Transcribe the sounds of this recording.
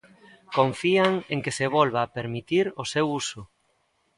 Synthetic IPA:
kõɱfiaŋeŋkeseβ̞ɔlβaːpeɾmit̪iɾosewusʊ

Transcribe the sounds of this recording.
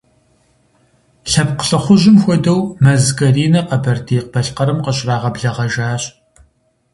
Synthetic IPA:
ɬɐp̚qə̥ɬɐχʷʊʑɪmxʷɔdɐwmɐzɡʼɐriːnɐqɐbɐrdʰeːq̚b̥ɐɬqɐɾɨmqəɕʼraːʁɐbɮɐʁɐʒaːɕ

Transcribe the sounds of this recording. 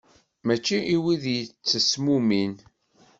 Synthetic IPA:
mæt͡ʃːiʔiwiðjət͡sːəsmumin

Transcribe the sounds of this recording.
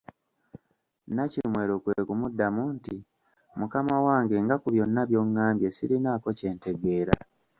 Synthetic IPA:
naciimwe̞ːɾo̞ːkweːkumudːamunti | mukamawaːŋɡe̞ŋɡakuβjo̞nːaβjo̞ŋːaːmbje̞siɾinaːko̞ce̞ːnte̞ɡe̞ːɾa̰

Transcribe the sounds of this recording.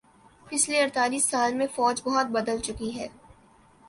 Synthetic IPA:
pɪsleɐɾt̪aːliːsːaːlmẽfɔːd͡ʒbɐɦʊt̪̚bɐd̪əlt͡ʃʊkiɦɛː

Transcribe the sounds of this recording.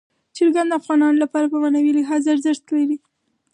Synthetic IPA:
t͡ʃəɾɡand̪afɣɑnɑnolapɑɾapəmanawilɪɦɑzaɾzɪxt̪laɾi

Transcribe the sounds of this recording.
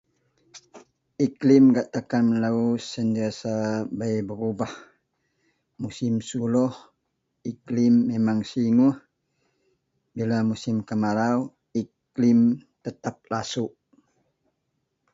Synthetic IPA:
ʔiklɪmɡaʔt̪akanəlausənt̪iasabajbəɾubah | musɪmsulɔh | iklɪmːemaŋsiŋuh | bilamusɪmkəmaɾaw | ik | lɪmt̪ət̪ap̚lasuʔ

